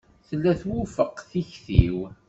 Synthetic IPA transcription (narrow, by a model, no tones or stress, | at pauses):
θəlːæθwʊfəqːθiçθḭw